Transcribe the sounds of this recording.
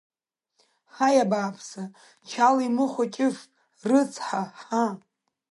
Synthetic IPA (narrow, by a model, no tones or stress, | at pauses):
ħajabaːpʰsa | t͡ʃʰalimɨχʷat͡ʃʲʼɪf | rɨt͡sʰħaħa